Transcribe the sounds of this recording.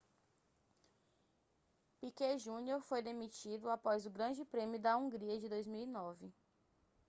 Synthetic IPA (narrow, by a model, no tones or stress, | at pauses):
pikeʒũnioɾfojd̪emit͡ʃid̪ʊapɔzʊɡɾɐ̃d͡ʒɪpɾẽmjʊd̪ɐũŋɡɾiɐd͡ʒɪd̪ojzmiwinɔvɪ